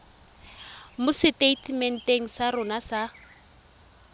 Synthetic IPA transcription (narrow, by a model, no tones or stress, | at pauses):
mʊsɪteitʰmɛn̩teŋ̩sarʊnasa